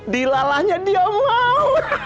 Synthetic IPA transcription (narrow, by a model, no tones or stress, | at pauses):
dilalahɲadiamau